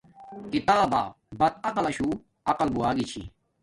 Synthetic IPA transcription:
kit̪aːba̰ː | bɐt̪̚ɐqɐlɐɕuː | ɐqɐlbuaːɡit͡ɕʰḭ

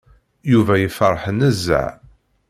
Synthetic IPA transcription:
juvæjəfərˤːħənəzːæ̰ʕ

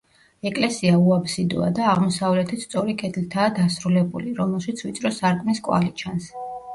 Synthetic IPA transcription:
ɛkʼlɛsiauabsid̪ṵa̰d̪aːʁmɔsavlɛt̪ʰist̪sʼɔɾikʼɛd̪ʰlt̪ʰaːd̪asɾulɛbṵliɾɔmɛlˠʃit̪sʰvit̪sʼɾɔsaɾkʼmiskʼwa̰lit͡ʃʰans

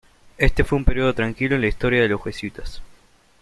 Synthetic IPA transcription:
e̞st̪e̞fweumpe̞ɾio̞ð̞o̞t̪ɾaŋkiloenlaist̪o̞ɾjaðeloswesjut̪as

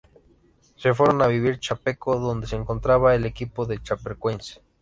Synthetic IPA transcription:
sef̬weɾonaβiβiɾt͡ʃapekoðond̪eseːŋkont̪ɾaβaelekipoðet͡ʃapeɾkwense̥

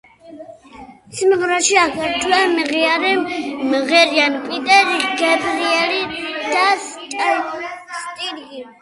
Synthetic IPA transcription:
simʁɾaʃiakʰɛɾt̪ʰwɛmiʁiaɾɛmʁɛɾianpʼit̪ʼɛɾiɡɛbɾiɛlid̪̥astʼ | st̪ʼiɾɡi

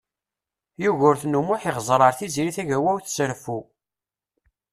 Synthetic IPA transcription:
juʝʊɾθnumʊħiʁzˤɾˤɑɾˤθiziɾiθæʝæwæwθsəɾfu

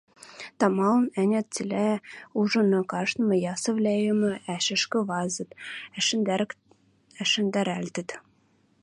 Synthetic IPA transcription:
t̪ɑmɑlɤ̆nænʲæt̪̚t͡silʲæuʒɤ̆nɤ̆kɑʃt̪mɤ̆jɑsɤ̆vlʲæjə̆mɘ̆æʃɘ̆ʃkɘ̆vɑzɤ̆t̪ | æʃɘ̆nd̪æɾælʲt̪ɘ̆t̪

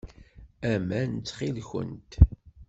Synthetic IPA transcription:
æmænt͡sːχilçə̰nt̪

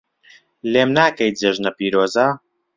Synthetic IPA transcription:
leːmnaːkɐjd͡zeʒnɐpiːɾoːzaː

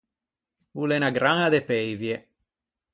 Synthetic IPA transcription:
ulenaɡɾaŋad̪epɛjvje

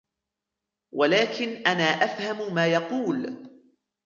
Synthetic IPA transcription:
walaːkɪnʔanaːʔafhammaːjɑquːl

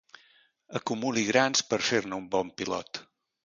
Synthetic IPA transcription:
əkumuliɣɾanspəɾfeɾnəumbɔmpilɔ̰t̪

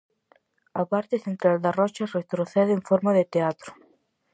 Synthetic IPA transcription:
apaɾt̪eθent̪ɾald̪arɔt͡ʃaret̪ɾoθɛðɪːɱfoɾmaðet̪eat̪ɾʊ̥

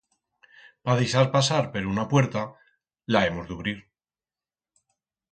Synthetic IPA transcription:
paðisaɾpasaɾpe̞ɾounapwe̞ɾt̪a | lae̞mo̞zðeuβ̞ɾiɾ

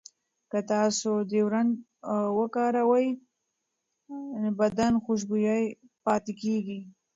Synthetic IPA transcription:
kət̪ɑsod̪ewɾan | wəkɑɾawaj | bad̪anxʊʃ̬bujaj | pɑt̪ɪkeɡi

